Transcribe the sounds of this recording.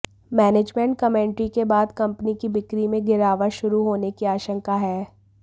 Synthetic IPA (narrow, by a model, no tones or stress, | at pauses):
mɛːneːd͡ʒmẽɳʈ̚kɐmẽːɳʈɾikebaːd̪kɐ̃mpnikibɪkɾimẽɡɪɾaːʋaʃʊɾuɦoːnekiaːʃə̃ŋkaɦɛː